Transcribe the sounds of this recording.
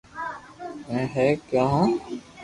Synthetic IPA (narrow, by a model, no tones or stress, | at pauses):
ɛ̃ːɦɛːkjaːɦãː